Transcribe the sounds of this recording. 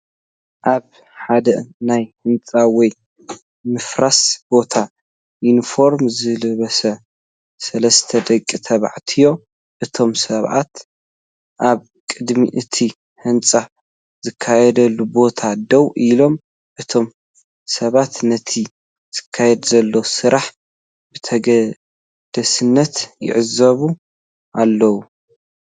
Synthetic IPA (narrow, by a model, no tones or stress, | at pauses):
ʔaβ | ħad̪ɐnajhɨnt͡sʼawɔj | mɨfɾasb̥o̞t̪ʰa | junifo̞ɾmzɨlɨβɐsɐ | sɐlɐst̪ʰɐd̪ɐkʼːit̪ʰɐβa̰ʕt̪ʰijo̞ | ʔɨt̪ʰo̞msɐβʕa̰t̪ | ʔaβ | kʼɨd̪miʔɨt̪ʰi | hɨnt͡sʼa | zɨkʰːajɛd̪ɐlːubo̞t̪ʰad̪ɐwʔilo̞m | ʔɨt̪ʰo̞m | sɐβat̪nɐt̪ʰi | zz̥ɨkʰːajɛd̪zɐlːowsɨɾʔaħ | b̥ɨt̪ʰɐɡɐ | d̪̥ɐsɨnːɐt̪jɪ̰ʕɨzɐβu | ʔalːɐwu